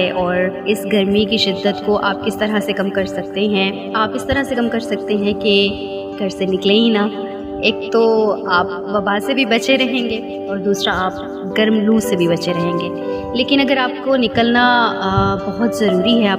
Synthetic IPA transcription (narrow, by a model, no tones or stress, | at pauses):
ɛʔɔːɾɪsɡɐɾmikiʃɪd̪ːət̪koʔaːp̚kɪst̪ɐɾasekɐmkɐɾsɐk̚t̪eɦɛ̃ | aːpɪst̪ɐɾasekɐmkɐɾsɐk̚t̪eɦɛ̃ke | ɡ̥ʱɐɾsenɪkleĩna | eːk̚t̪oaːp̚ʋɐbasebʱibɐt͡ʃeɾɐɦẽːŋɡeː | ɔːɾd̪uːsɾaaːp̚ | ɡɐɾmluːsebʱibɐt͡ʃeɾɐɦẽːŋɡeː | leːkɪnɐɡəɾaːp̚konɪkəlna | bɐɦʊt̪zɐɾuːɾiɦɛaː